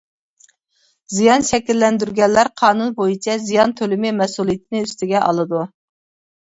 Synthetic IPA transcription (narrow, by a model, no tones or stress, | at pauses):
zijɑnʃɛkʲilːɛnd̪yɾɡʲɛlːæɾqʰɑːnunbojit͡ʃʰɛzijɑnt̪ʰølɪmɪmɛsulˠijit̪ʰɪnɪyst̪ɪɡʲɛʔɑlˠɨd̪u